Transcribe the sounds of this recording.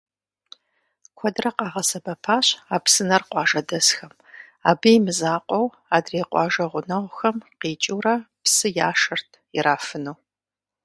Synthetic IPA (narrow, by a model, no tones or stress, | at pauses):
kʷʰɔdrɐqɑːʁɐsɐbɐpʰaːɕaːpsɨnɐrqʷɑːʒɐdɐsxɐm | a̰ːbijmɨzaːqʷʼɔw | aːdreːqʷɑ̰ːʒɐʁʷʊnɐʁʷxɐmqiːt͡ʃʼɪwrɐ | psɨjaːʂɐrtʰ | ɪɾaːfɨnuw